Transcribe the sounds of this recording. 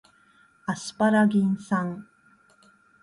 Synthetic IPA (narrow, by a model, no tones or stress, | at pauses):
asɨ̥paɾaɡʲĩnsãŋ